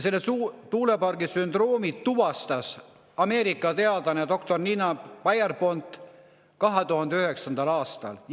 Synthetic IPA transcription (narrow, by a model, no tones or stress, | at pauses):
selːesut̪uːlepɑrɡisynd̪̥ro̞ːmit̪ːuvɑst̪ɑs | ɑme̞ːɾikːˑɑt̪e̞ɑd̪̥ɑned̪o̞kt̪o̞rninɑːɑjerpo̞nt̪ˑ | kɑɦet̪uhɑnd̪eyhe̞ksɑnd̪̥ɑlɑːst̪ɑ̰l